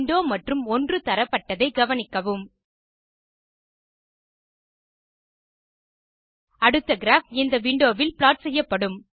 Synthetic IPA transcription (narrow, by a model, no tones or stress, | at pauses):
ɳɖoːmɐʈrɯmɔndrɯt̪ɐɾɐpːɐʈːɐðɐɪɡɐʋɐnɪkːɐʋɯm | ɐɽɯt̪ːɐɡɪɾaːfɪnd̪ɐʋɪɳɖoːʋɪlpɪlaːʈ̚sɛjːɐpːɐɽɯm